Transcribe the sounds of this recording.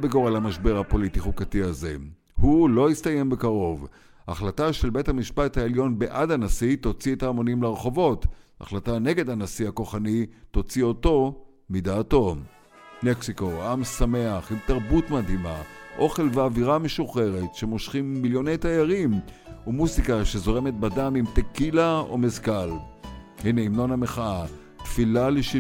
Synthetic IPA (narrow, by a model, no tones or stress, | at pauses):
beɡoʁalamaʃbe̞ʁhapo̞litiχukatiaze̞̰ | hulo̞ist̪aje̞mbe̞kaʁo̞v | aχlataʃe̞lbe̞thamiʃpathaeljo̞nbeʔadhanasito̞t͡sietaːmo̞nimleʁeχo̞vo̞ta̰χlatane̞ɡe̞dhanasihako̞χanito̞t͡sio̞to̞ | midaːto̞ | neksiko̞amsame̞aχimtaʁbutmadɦimaʔo̞χe̞lveaviʁame̞ʃuχe̞ʁetʃe̞mo̞ʃχimːiljo̞nejtajaʁim | umuzikaʃezo̞ʁemet̪̚badamimt̪ekilao̰mezkal | hineimno̞nhameχaa | t̪filaleʃ